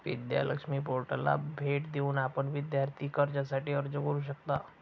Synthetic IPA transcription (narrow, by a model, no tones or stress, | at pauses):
ʋɪ̰d̪ja̰ːlə̰kʃmipoːɾʈəla̰bʱeːʈd̪eunaːpənʋɪd̪jaːɾt̪ʰikəɾd͡ʒɛsaʈiɔːɾd͡ʒɐɡuɾuʃ̬ɐkt̪aː